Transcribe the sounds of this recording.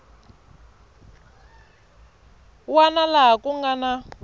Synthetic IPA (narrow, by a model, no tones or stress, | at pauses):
wanalaɦakuŋɡana